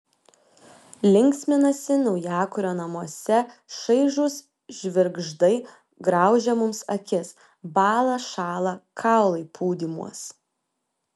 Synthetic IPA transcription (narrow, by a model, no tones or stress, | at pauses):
lʲɪŋʲksʲmʲɪnɐsʲɪnɐʊjæːkʊɾʲoːnɐmuɔsʲɛʃɐɪʒʊs | ʒʲʋʲɪɾɡʒd̪ɐɪ | ɡɾɑˑʊʒʲɛmʊmsɐkʲɪs | bɑːlˠɐʃɑːlˠɐkʰɑˑʊlˠɐɪpʰuːd̪ʲimṵɔs